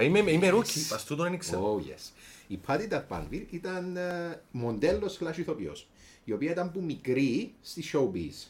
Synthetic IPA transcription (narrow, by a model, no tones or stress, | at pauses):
imemimeɾucːipɐst̪ut̪onɐniksɐojḛsipʰɐt̪it̪ɐpɐ̰nviɾit̪ɐnmond̪elːosflɐʃuθopio̰s | iopiɐit̪ɐmpumikɾist̪isoubḭs